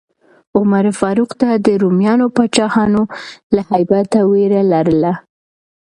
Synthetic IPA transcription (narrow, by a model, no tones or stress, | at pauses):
ʊmaɾfɑɾuqt̪ad̪əɾumjɑnopat͡ʃɑhɑnolahajbat̪aweɾalaɾəla